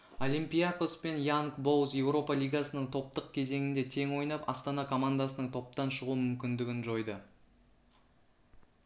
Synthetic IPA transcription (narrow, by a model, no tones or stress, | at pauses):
olʲimpʲijako̞spe̞njaŋkbo̞wsje̞wɾo̞pɑlʲijɡasənəɴt̪ʰo̞p̚t̪əq̚kʲʰe̞ze̞ŋɪnd̪e̞t̪ʰe̞ŋwo̞jnɑpɑ̰st̪ɑnɑkʰo̞mand̪asənəɴt̪ʰo̞p̚t̪ɑnʃəʁuəmʏmkʲɪnd̪ɪɡʲɪnʒo̞jd̪ə